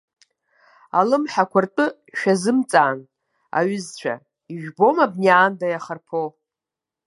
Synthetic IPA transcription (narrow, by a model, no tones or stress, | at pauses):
alɨmħakʷʰʊrtʼɨ | ʃᶣazɨmt͡sʼaːn | a̰ɥʏzt͡ɕʷʰa̰ | iʒᶣbo̞mabniaːndajaχarpʰo